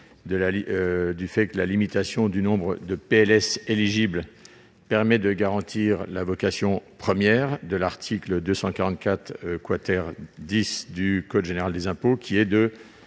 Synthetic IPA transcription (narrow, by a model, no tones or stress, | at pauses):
d̪əlaid̪yfɛkəlalimit̪asjɔ̃d̪ynɔ̃bʁəd̪əpeɛlɛseliʒibl | pɛʁmɛd̪əɡaʁɑ̃t̪iʁlavɔkasjɔ̃pχəmjɛʁd̪əlaʁt̪ʰikləd̪øsɑ̃kaʁɑ̃t̪̚kʲat̪χkwat̪ɛʁd̪isd̪ykɔd̪ʒeneʁald̪ezɛ̃pokʲʰiɛd̪ə